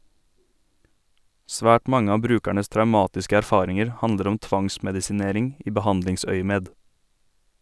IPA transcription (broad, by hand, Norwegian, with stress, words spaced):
ˈsʋæːʈ ˈmɑŋə ˈɑː ˈbɾʉːkæɳəs tɾɑʉˈmɑːtɪskə æɾˈfɑːɾɪŋəɾ ˈhɑndəɾ ˈɔm ˈtʋɑŋsmɛdɪsɪˌneːɾɪŋ ˈiː bəˈhɑndlɪŋˌsœʏəmeːd